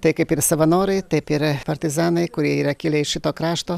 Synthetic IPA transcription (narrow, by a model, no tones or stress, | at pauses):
t̪ɐɪkɐɪpɪɾsɐʋɐnoːɾɐɪt̪ɐɪpɪɾpɐɾʲt̪ʲɪzaːnɐɪkʊɾʲiɛiːɾɐkʲilʲɛɪʃʲɪt̪oːkɾaːʃt̪oː